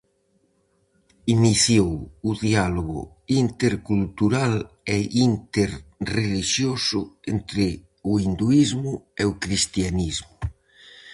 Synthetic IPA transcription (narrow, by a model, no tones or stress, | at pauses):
iniθjowuðialoɣʊ̰ | int̪eɾkult̪uɾal | eint̪eɾreliʃjosʊent̪ɾɪ | uind̪uizmʊeokɾist̪janizmʊ